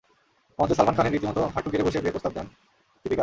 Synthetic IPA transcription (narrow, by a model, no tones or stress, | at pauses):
ɔmd̪esalmankʰaneɾit̪imɔt̪oɦaʈːuɡeɾeboʃebeepɾost̪ʰab̚d̪ɛn | t̪ibika